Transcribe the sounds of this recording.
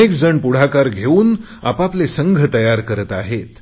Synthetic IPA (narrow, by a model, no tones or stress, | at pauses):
ekd͡zəɳpuɽ̤akaɾɡʱeuːn | a̰paplesəŋɡʱət̪əjaɾkəɾət̪aɦet̪